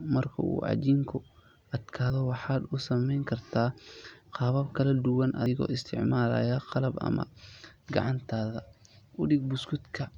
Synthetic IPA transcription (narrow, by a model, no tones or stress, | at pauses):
mɐrkʰɐ̰ṵːʕɑ̰t͡ʃiːŋkʰʊ | ʔɐd̪kʰaːðɔwɑħɑːd̪ʊsɐmɛjŋkʰɐrt̪ʰaːqɑːβɐbkʰɐlɐd̪ʊwɐnʔɐ̰ɪɣɔ̰ːɪst̪ʰɪ̰ʕmaːlɐ̰ːjaqɑlɐbɐ̰mɐ̰ɡɑ̰ʕɑnt̪ʰaːðɐʔʊɖɪɡ̚bʊskʰʊd̪kʰɐ